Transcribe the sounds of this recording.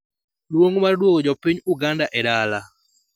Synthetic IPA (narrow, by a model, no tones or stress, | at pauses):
lwoŋmardwoɡod͡ʒɔpiɲuɡandaʔɛɾala